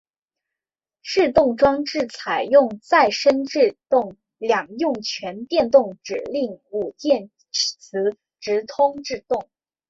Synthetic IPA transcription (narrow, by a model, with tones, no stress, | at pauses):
ʈ͡ʂɻ̩˥˧t̪ʊ˥˩ŋʈ͡ʂwɑ˥ŋʈ͡ʂɻ̩˥˩t͡sʰa˨˩ɪjʊ˥˧ŋt͡sa˥˩ɪʂə˥nʈ͡ʂɻ̩˥˧t̪ʊ˥˩ŋ | ljɑ˨˩ŋjʊ˥˩ŋt͡ɕʰɥɛ˧˥nt̪jɛ˥˧nt̪ʊ˥˩ŋʈ͡ʂɻ̩˨˩li˥˩ŋu˨˩t͡ɕjɛ˥˩n | t͡sʰɹ̩˧˥ | ʈ͡ʂɻ̩˧˥t̪ʰʊ˥ŋʈ͡ʂɻ̩˥˧t̪ʊ˥˩ŋ